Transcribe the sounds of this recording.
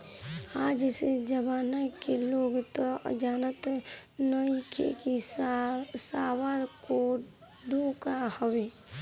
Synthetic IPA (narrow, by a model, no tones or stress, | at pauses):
aːd͡ʒsed͡ʒəbaːnakeloːɡt̪oə̰d͡ʒaːnət̪nəikḛki | saːwaːd̪ko | ɖ̪ʱokahəweː